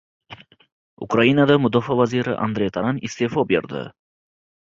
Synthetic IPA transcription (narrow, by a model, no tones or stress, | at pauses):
ʊ̰kɾainad̪amʊd̪ɒfavaziɾɪ̰ʔa̰nd̪ɾejt̪ʰaɾanɪst̪efɒbeɾd̪ɪ̰